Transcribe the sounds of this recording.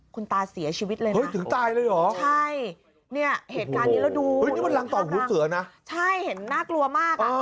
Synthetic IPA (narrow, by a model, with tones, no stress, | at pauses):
kʰu˧nt̪aː˧si˩˦ɐt͡ɕʰiː˧wi˦˥t̪̚lɤː˧ahɤ˦˥jt̪ʰɯ˨˩˦ŋt̪aː˧jlɤː˧jʔɔː˨˩˦t͡ɕt͡ɕʰa˥˩j | ni˥˩ɐɦheː˨˩t̪̚kaː˧nːiː˦˥ɾa˧˥˩wduː˧ɤ˦niː˦˥˩ma˧nla˧ŋt̪ɔː˨˩huː˩˦sɯ˩˦ɐna˦˥t͡ɕʰa˥˩jhe˩˦nːaː˥˩klu˧ɐmaː˥˩k̚ʔaː˧